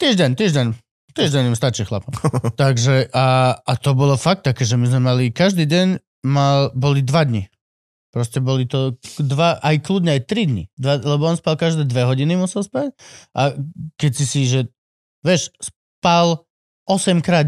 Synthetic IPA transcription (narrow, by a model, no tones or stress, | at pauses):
t̪iːʒɟɛɲt̪iːʒɟɛɲ | t̪iɛʒɟɛɲimst̪at͡ʃixla̰pɔmt̪aɡʒɛʔaːt̪ɔbɔlɔfak̚t̪ːakɛːʒɛmizmɛmalikaʒd̪iːɟɛɲ | malbɔlid̪ʋad̪ɲi | pɾɔscɛbɔlit̪ɔd̪ʋaʔajklud̪ɲɛajt̪ɾid̪ɲḭd̪ʋalɛbɔɔnspalkaʒd̪ɛːd̪ʋɛɦɔɟinimusɛlˠspacʔakɛcsisiʒɛ | ʋɛʃs | pal | ʔɔsɛmkɾaːd̪